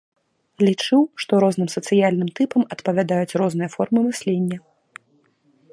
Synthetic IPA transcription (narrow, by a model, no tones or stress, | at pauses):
lʲit͡ʂɨwʂt̪ɔɾɔznɨmsɐt̪sɨjalʲnɨmt̪ɨpɐmɐt̪pɐvʲad̪ajut͡sʲrɔznɨjɐfɔrmɨmɨsʲlʲenʲːɐ